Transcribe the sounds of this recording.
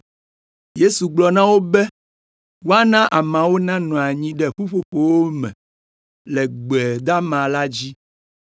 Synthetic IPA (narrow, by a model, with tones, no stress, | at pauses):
je˦su˨ɡ͡blɔ˨nã˦wo˦bɛ˦ | wo˦a˦nã˦ʔa˨mã˨wo˦nã˦nɔ̃˨a˨ɲĩ˦ɖɛ˦ɸu˦ɸo˨ɸo˨wo˦mɛ̰̃˨ | lɛ˨ɡ͡bɛ˨d̪a˦mã˨la˦d͡ʑi˦